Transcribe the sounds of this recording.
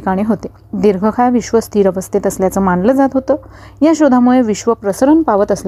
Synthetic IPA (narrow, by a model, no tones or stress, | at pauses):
ikaɽ̃iːɦot̪e | d̪iɾɡʱəkʰajʋiɕʋəst̪ʰiːɾəʋəst̪ʰit̪əsljat͡səmanləd͡zat̪ɦot̪əː | jaɕod̪ʱamuɭeʋiɕʋəpɾəsəɾənpaʋət̪əsl